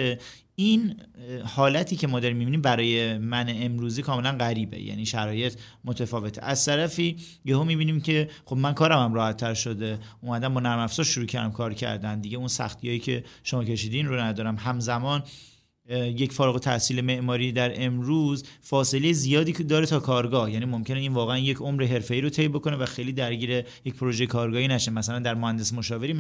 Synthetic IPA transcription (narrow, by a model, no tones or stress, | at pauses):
e | inhɒːlæt̪ʰiːcʰe̞mɒːd̪ɒːɾimːibiːniːmbæɾɒːje̞mæneːmɾuːziːkʰɒːme̞lænɢæɾiːbḛjæ̰niʃæɾɒːje̞t̪ʰ | mo̞t̪ʰefɒːve̞t̪ʰe̞̰ʔæz̥t̪ʰæɾæfiː | behomiːbiːniːmcʰe̞xo̞bmænkʰɒːɾæmæmɾɒːhæt̪ʰːæɾʃo̞d̪e̞umæd̪æmbɔnæɾmæfsɒːɾʃuɾuːcʰæɾd̪æmkʰɒːɾcʰæ̰ɾd̪ænd̪iɟeunsæ̰xt̪ʰijɒːjiːcʰe̞ʃomɒːcʰe̞ʃiːd̪inɾonæd̪ɒːɾæmɦæmzæmɒːn | je̞cfɒːɾɣot̪ʰæ̰ʔsiːle̞me̞ʔmɒːɾiːd̪æɾʔe̞mɾuːzfɒːse̞lejezijɒːd̪iːd̪ɒːɾe̞t̪ʰɒːkʰɒːɾɡɒːhjæːnimo̞mcene̞iːnvɒːɣeænje̞cʰomɾeɦe̞ɾfe̞iːɾot̪ʰe̞jbo̞ko̞nevæxejliːd̪æɾɟiːɾejec̚pʰoɾo̞ʒejekʰɒːɾɡɒːhiːnæʃenmæsælænd̪æɾmohænd̪esmoʃɒːve̞ɾi